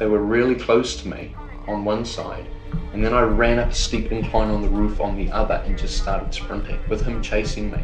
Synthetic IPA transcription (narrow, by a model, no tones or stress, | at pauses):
ðeɪwə˞ɹɪlˠikʰl̥oʊstʰəmḭ | ə̃nwʌ̃nsa̰ɪɾɨ̃nðɨ̃naɪɹæ̃nʌpə̥stipɨ̃nkʰl̥ãɪ̃nə̃nðəɹʉfn̩ðiʔʌðə̰˞ʔɨ̃nd͡ʒʌststɑɹɾɨd̥spʰɹ̥ɪ̃mpʰɪ̰̃t̚wɨð̥hɨ̃mt͡ʃʰeɪsɪ̃ŋmḭ